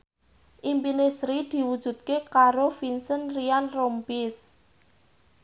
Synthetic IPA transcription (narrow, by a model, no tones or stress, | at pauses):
ʔimpinesɾid̪̥i̤wud̥ʒ̥ṳt̪̚kekaɾofinsənrianrompis